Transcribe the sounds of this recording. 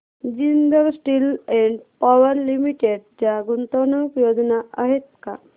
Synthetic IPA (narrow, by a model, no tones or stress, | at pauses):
d͡ʑind̪əɾsʈilɛɳɖpaʋəɾlimiʈeɖd͡ʑjaɡunt̪onukjod͡znaaɦet̪ka̰